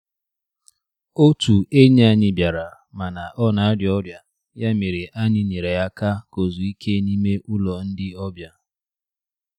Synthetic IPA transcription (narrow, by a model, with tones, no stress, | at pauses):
o˦tu˨e˦ɲ˦a˦ɲɪ˨bja˨ɾa˨ | ma˨na˨ʔɔ˦na˨a˦djɔ˦ɾja˨ | ja˦me˨ɾe˨ʔa˦ɲɪ˦ɲe˨ɾe˨ja˦ka˦ko˨zu˨i˦kʰe˦ni˦me˦ʔu˦lɔ˨n̩˦dɪ˦ɔ˦bja˦